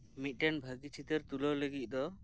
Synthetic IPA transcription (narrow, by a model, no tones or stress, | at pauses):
mit̪̚ˀʈɛnbʱaɡit͡ʃʰit̪eɾt̪ulɔləɡit̪̚d̪ɔ